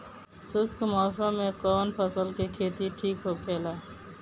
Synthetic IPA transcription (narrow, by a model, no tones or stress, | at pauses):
sɪskmɔːsə̃mːẽkɔːnpʰəsəlkekʰeːt̪iʈʰiːkɦokʰeːlaː